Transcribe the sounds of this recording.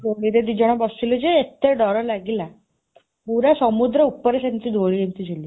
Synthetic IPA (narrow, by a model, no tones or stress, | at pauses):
d̪oɽiɾed̪id͡ʒɔɽ̃ɔbɔsilɔd͡ʑeːt̪ːeɖɔɾɔlaɡila | puɾasɔmud̪ɾɔupːɔɾesent̪id̪ʱoɽid̪ent̪id͡ʒuli